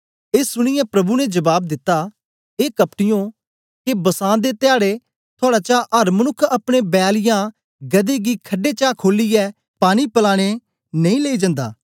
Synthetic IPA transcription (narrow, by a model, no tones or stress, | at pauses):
eːsːʊɽ̃ɪjɛpɾɐbunɛd͡ʒɐbaːb̚d̪ɪt̪ːa | eːkɐpʈɪjõː | kebɐsãːd̪et̪ɪjaːɽe | t̪ʰʊoaːɽaːt͡ʃaʔɐɾmɐnʊkʰːɐpɽ̃ebɛːlɪjã | ɡɐd̪eːɡiːkʰɐɖeːt͡ʃaːkʰoːlijɛː | paːɽ̃ipɐlaːɽ̃e | nɐĩːleːid͡ʒə̃nd̪a̰ː